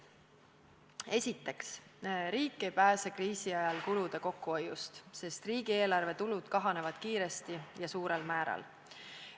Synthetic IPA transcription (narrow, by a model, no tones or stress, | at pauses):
e̞sʲit̪ːˑe̞ksɾiːkːˑe̞jpæːsekriːsiɑjɑlkulud̪̥e̞ko̞kːˑuojust̪se̞st̪riːɡ̥ie̞ːlɑrve̞t̪ulud̪̥kɑɦɑne̞vɑd̪̥kiːɾe̞st̪ijɑsuːɾe̞lmæːɾɑ̰l